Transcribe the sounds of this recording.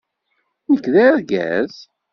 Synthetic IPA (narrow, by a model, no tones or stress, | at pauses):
nəkːðæɾɡæ̰z̥